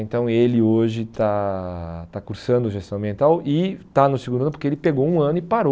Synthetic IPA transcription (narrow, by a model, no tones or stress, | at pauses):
ẽnt̪ɐ̃w̃elɪoʒɪt̪a | t̪akuɾsɐ̃nd̪ʊʒest̪ɐ̃ɐ̃biẽnt̪awɪt̪anʊsɪeɡũd̪ʊɐnʊpoɾkeelɪpeɡowũɐ̃nʊɪpaɾo